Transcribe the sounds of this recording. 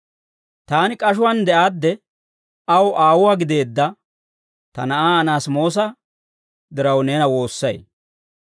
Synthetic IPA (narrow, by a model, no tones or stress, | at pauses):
t̪aːnɪkʼɐʃ̬ʊwɐnd̪ɛʔaːd̪ːɛ | ɐwʔaːwʊwaːɡɪd̪e̞ːd̪ːɐ | t̪ɐ̰nɐʔaːnaːsmo̞ːs̬ɐ | d̪ɪɾɐwneːnɐwo̞ːsːɐj